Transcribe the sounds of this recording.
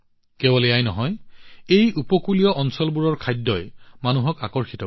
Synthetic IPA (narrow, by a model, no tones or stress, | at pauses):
kɛbɔlɛajnɔɦɔjejupɔkulijɔʔɔnsɔlbuɹɔɹkʰajdːɔjmanuɦɔkakɔɹxitɔ